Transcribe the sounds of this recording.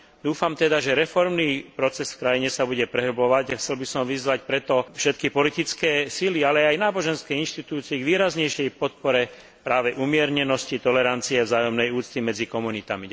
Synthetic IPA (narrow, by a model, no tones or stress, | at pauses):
d̪uːfamt̪ɛd̪aʒɛɾɛfɔɾmnipɾɔt͡sɛsfkɾajiɲɛsabuɟɛpɾɛɦɔblɔʋaɟaxt͡sɛlbisɔmʋizʋacpɾɛt̪ɔfʃɛt̪kipɔlit̪it͡skɛːsilialɛajnaːbɔʒɛnskɛinʃt̪it̪uːt͡siɛɡʋiːɾazɲɛjʃɪɛjpɔt̪̚pɔɾɛ | pɾaːʋɛʔumɪɛɾɲɛnɔscit̪ɔlɛɾant͡siɛvzaːjɔmnɛjuːt͡st̪imɛd͡zikɔmunit̪ami